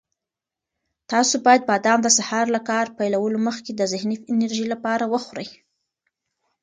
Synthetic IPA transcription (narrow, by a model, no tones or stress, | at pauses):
t̪ɑsobɑjad̪̚bɑd̪ɑmd̪əsahɑɾlakɑɾpajlawəloməxked̪əzɪhnifɪnəɾʒilapɑɾawəxwɾəj